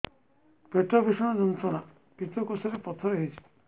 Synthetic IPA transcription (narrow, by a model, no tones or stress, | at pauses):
peʈɔbʱisɔɽ̃ɔd͡ʒɔnt̪ɔɽ̃a | kit̪ɔkɔsɔɾepɔt̪ʰɔɾɔɦit͡ʃʰi̥